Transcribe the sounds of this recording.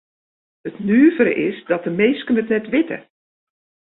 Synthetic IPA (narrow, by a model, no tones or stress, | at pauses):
ətnyːvəɾə̰ʔɪsdɔt̚əmeːskənətnɛtʋɪtə̰